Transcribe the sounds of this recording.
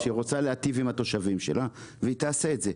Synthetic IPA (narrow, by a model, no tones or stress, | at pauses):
ʃiʁo̞t͡saleat̪ivimhat̪o̞ʃavimʃe̞̰lʔaveit̪aːseetze̞